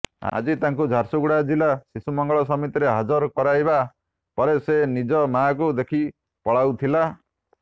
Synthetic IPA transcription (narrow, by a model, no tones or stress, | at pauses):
a̰d͡ʒit̪aŋkud͡ʒʱaɾsuɡuɽad͡ʒilasisumɔŋɡɔɭɔsɔmit̪iɾeɦad͡ʒɔɾkɔɾajba | pɔɾesenid͡ʒɔmakud̪ekʰi | pɔɭawt̪ʰila